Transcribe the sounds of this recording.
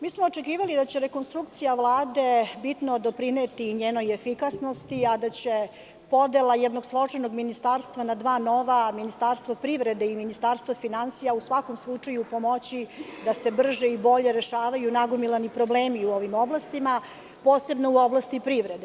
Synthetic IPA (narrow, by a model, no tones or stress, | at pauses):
miːsmoːt͡ʃekiːʋalid̪at͡ɕe̞ɾe̞ko̞nst̪ɾukt̪sijaʋlˠaːd̪e̞bit̪no̞d̪opɾinet̪iɲeːno̞jefikasno̞st̪iad̪at͡ɕe̞ | po̞d̪elˠajɛd̪no̞ɡslˠo̞t͡ʂenoɡminist̪aɾst̪ʋanad̪ʋaːno̞ʋaminist̪aɾst̪ʋopɾiʋɾed̪eiminist̪aːɾst̪ʋafinansijausʋako̞mslˠut͡ʂajupo̞mo̞t͡ɕid̪ase̞br̩ʒeibo̞ʎe̞ɾe̞ʃaːʋajunaɡomilˠanipɾo̞bleːmiuo̞ʋimo̞blˠast̪ima | po̞ːse̞bnouo̞blˠast̪ipɾiʋɾed̪e